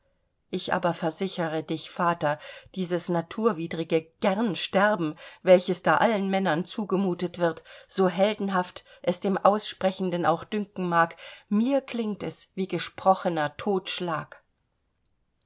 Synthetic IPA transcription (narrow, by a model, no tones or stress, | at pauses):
ʔɪçʔa̰ːbɐfɛɐzɪçəʁədɪçfaːtɐd̥iːzəsnatʰuːɐviːdʁɪɡəɡ̥ɛʁnʃtɛʁbm̩vɛlçəsd̥aːʔalənmɛnɐnt͡suːɡəmuːtətv̥ɪɐtz̥oːɦɛldn̩ɦaft | ʔɛsd̥eːmʔaʊsʃpʁ̥ɛçn̩dəna̰ʊxd̥ʏŋkŋ̩maːkmiːɐkʰl̥ɪŋtɛsv̥iːɡəʃpʁ̥ɔxənɐtʰoːtʃlaːk